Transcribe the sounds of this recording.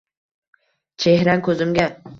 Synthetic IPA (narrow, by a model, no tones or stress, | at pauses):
t͡ʃʰehɾankʲʰɵzɪmɡʲa